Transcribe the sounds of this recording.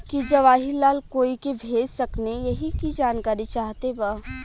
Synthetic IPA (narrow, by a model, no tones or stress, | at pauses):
kid͡ʒɐʋaːɦilaːlkoːikebʱeːd͡ʒsɐknejɐɦikid͡ʒaːnkaːɾit͡ʃaːɦt̪eba